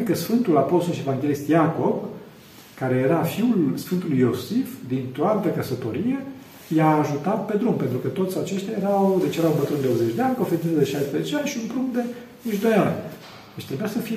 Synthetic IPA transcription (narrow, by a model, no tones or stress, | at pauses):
kəsfɨnt̪ulapo̞st̪olʃievaŋɡʲelist̪jako̞b | kaɾe̞jeɾafiulsfɨnt̪ulujo̞sifd̪int̪oat̪əkəsət̪o̞ɾie̞ | jaːʒut̪at̪̚pe̞d̪ɾumpe̞nt̪ɾukət̪o̞t̪sʲat͡ʃe̞ʃt̪ʲjajeɾawd̪et͡ʃejeawmbət̪ɾund̪eobzet͡ʃʲd̪eanʲkofeɾit̪t̪d̪e̞ʃajspɾezet͡ʃeanʲʃiumpɾund̪e̞ | it͡ʃd̪o̞janʲ | d̪̥et͡ʃt̪ɾebujasəfi